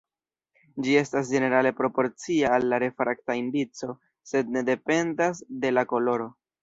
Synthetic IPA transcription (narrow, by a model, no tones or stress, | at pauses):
d͡ʒie̞stas̬d͡ʒe̞ne̞ɾale̞pɾo̞po̞ɾt͡siaːlːaɾe̞fɾaktaindit͡so̞ | se̞d̚ne̞de̞pe̞ndasde̞lako̞lo̞ɾo̞